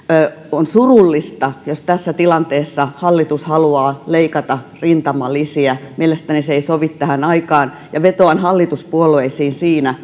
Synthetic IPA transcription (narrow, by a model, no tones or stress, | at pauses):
onsurulːist̪ɑjost̪æsːæt̪ilɑnt̪eːsːɑhɑlːit̪ushɑluɑːleikɑt̪ɑrint̪ɑmɑlːisiæmielest̪æniseisoʋit̪t̪æhænɑikɑːn | jɑʋet̪oɑnhɑlːit̪uspuoleisiːnsiːnæ